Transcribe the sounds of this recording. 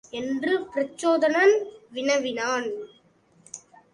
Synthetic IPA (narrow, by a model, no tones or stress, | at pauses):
ɛndrɯpɪɾɐt͡ʃːoːðɐnɐnʋɪnɐʋɪnaːn